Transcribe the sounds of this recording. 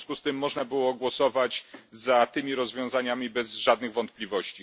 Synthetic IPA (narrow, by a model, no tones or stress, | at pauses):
skust̪ɘmːɔʐnabɘwɔɡwɔsɔvad͡ʑzat̪ɘmʲiɾɔzvʲjɔ̃w̃zaɲamʲibɛzʐad̪̚nɘɣvɔnt̪̚plʲivɔɕt͡ɕi